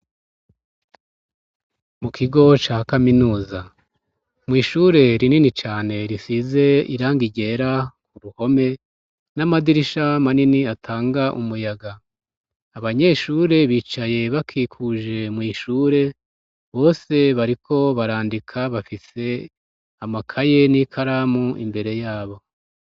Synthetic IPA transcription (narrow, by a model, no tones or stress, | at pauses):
mukʰiɡo̞t͡ʃaːkaminuːza | mwiːʃuɾe̞ɾininit͡ʃaːne̞ɾisize̞ḭɾaːŋɡiɟe̞ɾakuɾuho̞me̞ | namadiɾiʃamaniniatʰaːŋɡaʔumujaɡa | aβaɲe̞ːʃuːɾe̞βiːt͡ʃaje̞βakʰikʰuʒe̞mwiːʃuːɾe̞ | βo̞ːse̞βaɾikʰo̞βaɾaːndikʰaβafise̞ | amakʰaje̞nikʰaɾaːmuḭmbe̞ɾe̞jaːβo̞